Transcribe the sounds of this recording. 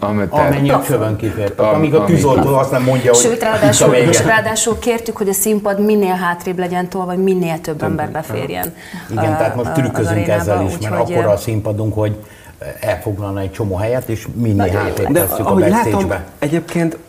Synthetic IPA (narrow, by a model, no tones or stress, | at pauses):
mɒmɛɲːit͡ʃøbøŋkit̪eːrt̪ɛɒmiɡɒkyzo̞lt̪oːɒst̪nɛmːo̞ɲɟːɒɦoʃøːt̪raːdd̪iɒmɛraːd̪aːʃulkeːrt̪ykhoɟɒsimpɒd̪minːeːlɦaːt̪reːblɛɟɛnt̪oːlvɒɟminːeːlt̪ø̞bːɛmbɛrbɛfḛːrjɛ̰n | iɡɛnt̪ɛɦaːt̪moʃt̪ykøzyŋkɛzːɛliʃmɛɾɒkːoɾɒːsimpɒd̪uŋkho̞ɟ | ɛlfo̞ɡlɒlnɒɛc̚t͡ʃo̞moːɦɛjɛt̪eːʃminːeːlɦaːt̪ɾeːd̪ɛsst̪ːykɒobɛeːʒbɛɛɟeːp̚keːnt̪